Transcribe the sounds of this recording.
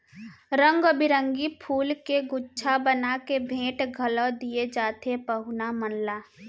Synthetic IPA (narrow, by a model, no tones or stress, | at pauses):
ɾə̃ŋɡəbɪɾə̃ŋɡipʰuːlkeɡʊtːʃʰabənakebʱẽːʈɡʱələd̪ied͡ʒaːt̪epəɦʊnamənlaː